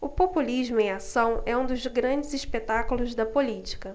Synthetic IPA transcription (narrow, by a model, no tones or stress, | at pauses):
ʊpopuliʒmʊẽasɐ̃w̃ɛũd̪ʊzɡɾɐ̃d͡ʒɪziʃpet̪akulʊzd̪ɐpolit͡ʃi̥kɐ